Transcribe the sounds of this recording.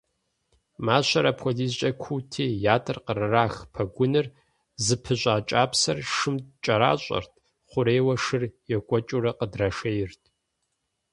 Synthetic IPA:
maːɕʷɐɾɐpʰʷɔziːzt͡ʃʼɐkʷʰutʰeːjaːtʰʼɨrqərɨraːxpʰɐɡʷʊnɨr | zɨpʰɨɕʷʼaːt͡ʃʼaːpsɐrʂɨmt͡ʃʼɐɾa̰ːɕʼɐ̰rtʰ | χʷʊɾeːwɐʂɨrjɛkʷʼɔt͡ʃʼurɐqədrɐʂejɪrtʰ

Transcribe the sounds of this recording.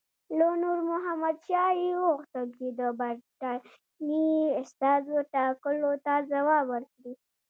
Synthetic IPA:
lonuɾmʊɦamad̪ʃɑioɣt̪aɡd̪id̪əbaɾta | niʊst̪ɑzoʈakəlot̪azawɑbəɾkɽi

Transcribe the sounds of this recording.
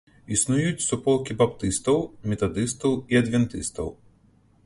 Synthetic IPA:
isnujut͡sʲsupɔlˠkʲibapt̪ɨst̪ɐwmʲɛt̪ad̪ɨst̪ɐwiɐd̪vʲɛnt̪ɨst̪ɐ̰w

